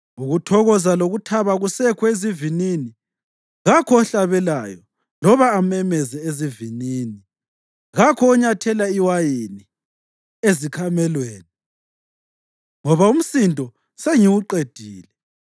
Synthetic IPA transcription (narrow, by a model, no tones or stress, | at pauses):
uɣutʰɔɣɔzaloɣutʰaβaɣusɛkʰɔezivinini | ɣakʰɔɔɬaβɛla̰jɔ | lɔβaːmɛmɛzɛeziviniːni | ɣakʰɔːɲatʰɛlaiwajini | ezikʰamɛlweːni | ŋɔβaum̩sindʱʼɔ | seŋiwuǃed̥ʱiːlɛ